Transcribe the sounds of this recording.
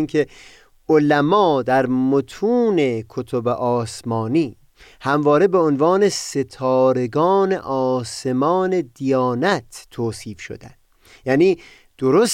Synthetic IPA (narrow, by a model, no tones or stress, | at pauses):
inkʰe̞ | ʔolæmɒːd̪æɾmot̪ʰuːne̞kʰot̪ʰobeʔɒːsmɒːniː | hæmvɒːɾe̞be̞onvɑːne̞se̞t̪ʰɒːɾe̞ɡɒːne̞̰ʔɒːse̞mɒːne̞d̪ijɒːnæt̪ʰːoːsiːfʃo̰d̪æ̰nd̪̥ | jæːniː | d̪̥oɾos